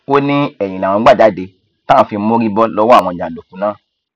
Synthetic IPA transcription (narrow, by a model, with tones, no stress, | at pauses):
o˦nĩ˦ɛ˨j̃ĩ˨lã˨wɔ̃˧˦ɡ͡ba˦˨d͡ʒa˨˦˨de˧ | tã˦˨fi˧m̩˦mo˦ɾi˦bɔ˦lɔ˦wɔ˦˨w̃ɔ̃˧˨d͡ʒã˨lo˨fũ˨˦nãː˦